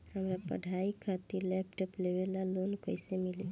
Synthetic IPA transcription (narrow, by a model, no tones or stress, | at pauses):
ɦəmɾapə̰ɖʱaikʰat̪ilɛpʈɔplebelalonkəjsemili